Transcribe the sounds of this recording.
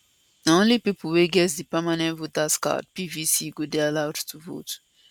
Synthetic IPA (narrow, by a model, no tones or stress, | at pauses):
nãlipipuweɡɛs̬dipamanɛ̃vot̪aska̰d̚pivisiɡodɛalawttuvo̰t